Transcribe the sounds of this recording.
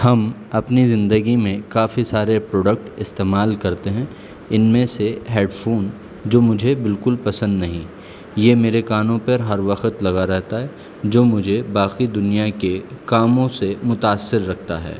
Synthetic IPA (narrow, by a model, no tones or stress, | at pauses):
hɐmɐpnizɪ̃nd̪əɡimẽkaːfisaːɾepɾoːɖək̚ʈɪst̪eːmaːlkɐɾt̪eɦɛ̃ | ɪnmẽseɦeːɖfʰoːn | d͡ʒoːmʊd͡ʒʱebɪlkʊlpɐsə̃nd̪nɐɦĩ | jemeːɾekaːnõpəɾɦɐɾʋɐqət̪lɐɡaɾɛɦt̪aɦɛ | d͡ʒoːmʊd͡ʒʱebaːxid̪ʊnijakekaːmõsemʊt̪aːsːɪɾːɐk̚ʰt̪a̰ɦɛ̰ː